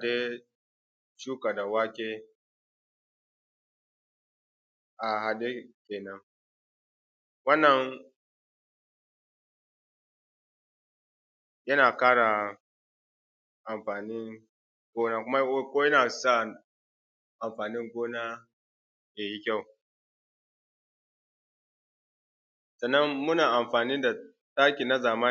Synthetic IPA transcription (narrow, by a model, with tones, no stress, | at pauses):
a˨de˦ | t͡ʃuː˦ka˨da˨waː˦kʲeː˦ | ʔa˨ɦa˨de˦kʲeː˨nɐ˦ŋ | wɐ˦nːɐ˨ŋ | jɐ˦naː˨kaː˦ɽa˨ | ʔa˨mɸaː˨ni˦ŋ | ɡ̥ʷoː˦naː˦kʷʊ˦ma˦kʷoː˦jɐ˦naː˨sa˦ | ʔa˨mɸaː˨nɪ˦ŋɡʷoː˦naː˦ | je˨ji˦kʲa˦˨w | sɐ˨nːɐ˦mːʊ˦naː˨ʔa˨mɸaː˨niː˦da˨ | taː˦kʲi˨na˦zaː˨ma˦